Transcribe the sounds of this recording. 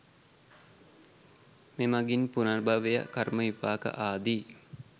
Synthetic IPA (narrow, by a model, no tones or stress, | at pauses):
memaɡinpunarbʱaʋeja̰karməipaːkə̰ʔaːd̪i